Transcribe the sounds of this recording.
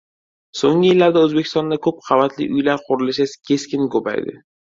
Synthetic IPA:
soŋʲɪjɪlːaɾd̪aɵzbe̞kʲʰɪ̥st̪ɒnd̪akʰɵp̚qʰɑvat̪ʰlɪ̰ʔʊjlaɾqʰʊɾɪlɪʃaskʲʰe̞skʲɪnkopa̰jd̪ɪ̰

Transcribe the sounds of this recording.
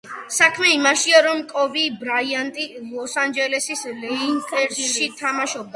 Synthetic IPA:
sakʰmɛimaʃiaɾɔmkʼɔvibɾaiant̪ʼilˠɔsand͡ʒɛlɛsislɛntʼɛɾʃit̪ʰamaʃɔb̚d̪

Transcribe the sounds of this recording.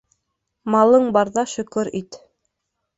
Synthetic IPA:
mɑlˠɤɴbɑɾðɑʃɵ̆kɵɾit̪

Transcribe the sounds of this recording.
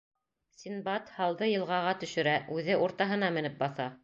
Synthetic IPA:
sʲinbɑt̪hɑlˠðɤjɤ̆lˠʁɑʁɑt̪ɵ̆ʃɵ̆ɾæʔʉðɘʔuɾt̪ɑɦɤ̆n̪ɑmɘ̆nɘp̚bɑθɑ

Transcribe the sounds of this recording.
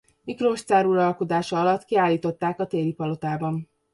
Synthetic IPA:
mikroʃt̪aːɾuɾɒlko̞d̪aːʃɒɒlɒt̪kiaːlːiːt̪o̞t̪ːaːkɒt̪eːɾipɒlo̞t̪aːbɒn

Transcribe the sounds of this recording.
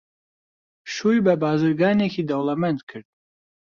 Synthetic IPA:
ʃujbɐbaːzɨɾɡɑːnekʰid̪ɐwlˠɐmɐnd̪kʰɨɾd̪̥̚

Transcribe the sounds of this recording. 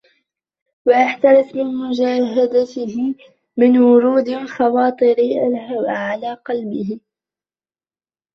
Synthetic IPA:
waʔaħt̪ɑɾɪθmɪnmʊd͡ʒaːɦad̪at̪ɪhɪ | mɪnwʊɾuːd̪lxɑwɑːt̪ˤɨɾɪʔalhawaʕalaːqɑlbɪɦɪ

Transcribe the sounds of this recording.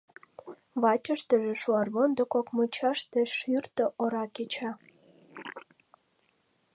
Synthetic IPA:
βɑt͡ɕəʃt̪əʒĕʃuɑrβond̪okokmot͡ɕɑʃt̪eʃyrt̪ə̆ʔoɾɑket͡ɕɑ

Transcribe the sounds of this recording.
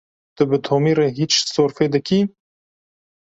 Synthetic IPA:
t̪ɨbɨt̪ʰoːmiːɾeɦiːt͡ʃsoːɾfeːd̪ɨkʰiː

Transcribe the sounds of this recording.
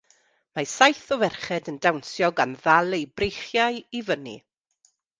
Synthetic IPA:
masajθɔvɛrχɛdəndawnsjɔɡanðalˠejbrejχjaɨivənḭ

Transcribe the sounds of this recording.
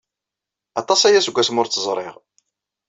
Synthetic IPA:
ɑt̪ˤɑsæjæsɡʷːæsmʊɾt͡s̪ːəzˤɾˤɪ̰ʁ

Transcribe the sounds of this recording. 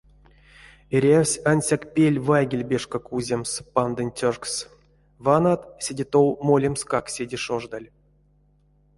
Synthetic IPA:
eɾʲawʲsʲanʲsʲakpʲelʲvajɡʲilʲbʲeʂkakuzʲemspand̪ɨnʲtʲorks | vanat̪sʲedʲet̪owmolʲemskaksʲedʲiʂoʐd̪alʲ

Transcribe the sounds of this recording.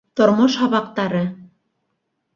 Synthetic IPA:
t̪ŏɾmoʃhɑβɑq̚t̪ɑɾɤ

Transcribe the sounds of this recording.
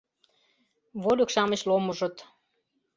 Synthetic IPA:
βolʲokʃɑmə̆ɕlomə̆ʒɤ̆t̪

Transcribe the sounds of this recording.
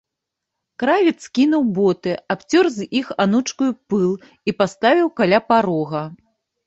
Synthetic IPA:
kɾavʲit̪skʲinuwbɔt̪ɨapt͡sʲɔrzixanut͡ʂkujupɨlˠ | ipast̪avʲiwkalʲapaɾɔɣɐ

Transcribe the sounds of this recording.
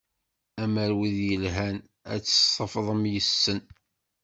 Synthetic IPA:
æməɾwiðjəlɦæn | æ̰t͡sːə̥sˤəfðˤəmjəsːən

